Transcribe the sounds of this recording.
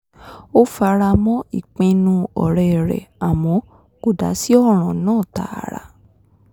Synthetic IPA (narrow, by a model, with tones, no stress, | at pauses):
o˦fa˧ɾa˧mɔ̃˦i˦˨k͡pẽ˧nũ˧ɔ˨ɾɛ˨ɾɛ̰˨a˨m̃ɔ̃˨˧˦ | ɡ̥o˨da̰˨˦si˦ɔ˦ɾ̃ɔ̃˨nãː˦˨ta̰˨ɾa̰˧